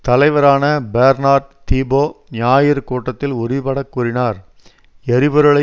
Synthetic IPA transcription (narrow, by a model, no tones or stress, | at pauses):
t̪ɐlɐɪʋɐɾaːnɐbeːɾnaːʈ̚t̪iːboːɲaːjɪɾkuːʈːɐt̪ːɪlʊɾɪpɐɽɐkːuːɾɪnaːɾ | ɛɾɪbɐɾɯɭɐ